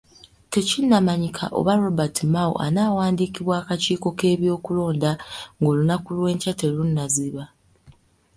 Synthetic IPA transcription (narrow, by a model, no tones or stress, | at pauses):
te̞cinːamaɲikʰa̰ʔo̞̰βaɾo̞batimaṵʔa̰naːwaːndiːkiβwaːkaciːko̞ke̞ːβjo̞ːkulo̞ːndaŋɡo̞ːlunakulwe̞ːɲcate̞lunːaziβa